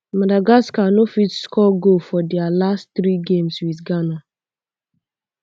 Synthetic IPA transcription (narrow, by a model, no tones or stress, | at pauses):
madaɡaskanofitskɔɡofɔdɛalastθɾiɡẽmswiθɡana